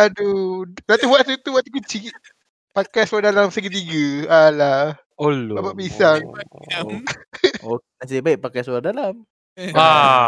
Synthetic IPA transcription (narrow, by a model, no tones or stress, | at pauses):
adulat̪ubwaʔt̪ut̪ubwaʔt̪ukut͡ʃiʔ | pakajsuadalamsəɡit̪̬iɡəala | oloapaʔbisaŋ | okenasibaɪʔpakajsuardalam | a